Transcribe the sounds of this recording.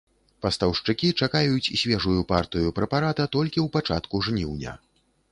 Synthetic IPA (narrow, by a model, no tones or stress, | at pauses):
pɐst̪ɐwʂt͡ʂɨkʲit͡ʂakajut͡sʲisʲvʲɛʐujupart̪ɨjupɾɛpaɾat̪ɐt̪ɔlʲkʲiwpat͡ʂa̰t̪kuʐnʲiwnʲɐ̰